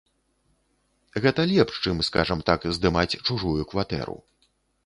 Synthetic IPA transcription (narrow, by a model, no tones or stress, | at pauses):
ɣɛt̪ɐlʲɛpʂt͡ʂɨmskaʐɐmt̪akzd̪ɨmat͡sʲt͡ʂuʐujukvat̪ɛ̰ɾṵ